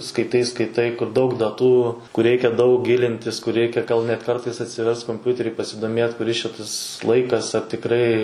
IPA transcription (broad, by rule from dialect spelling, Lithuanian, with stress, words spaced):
skɐɪˈtɐɪ skɐɪˈtɐɪ kʊr dɐʊk dɐˈtuː kʊr ˈrʲɛɪkʲɛ dɐʊk ˈɡʲɪlʲɪnʲtʲɪs kʊr ˈrʲɛɪkʲɛ ɡɐlˠ nʲɛt ˈkɐrtɐɪs ɐtʲsʲɪˈʋʲɛrst koːmʲˈpʲʊtʲɛrʲɪ pɐsʲɪdoːmʲeːt kʊˈrʲɪs t͡ʃʲɛ ˈtɐs ˈlˠɐɪkɐs ɐr tʲɪkˈrɐɪ